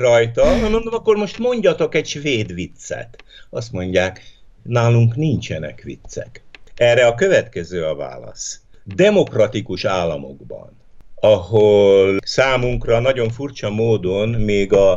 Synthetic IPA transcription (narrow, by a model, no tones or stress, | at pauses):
rɒjt̪ɒɦɒnmond̪omɒkːo̞rmo̞ʃt̪mo̞ɲɟɒt̪o̞kɛcʃʋeːd̪ʋit̪sɛ̰t̪ɒst̪mo̞ɲɟaːk | naːluŋknint͡ʃɛnɛ̰kʋḭt̪sːɛ̰kɛːrɛɒkø̞vɛt̪kɛzøːɒva̰ːlɒ̰sd̪ɛmo̞krɒt̪ikuʃaːlːɒ̰mo̞̰ɡbɒ̰nɒɦolsaːmuŋkrɒnɒɟo̞ɱfurt͡ʃɒmoːd̪o̞nmeːɡɒ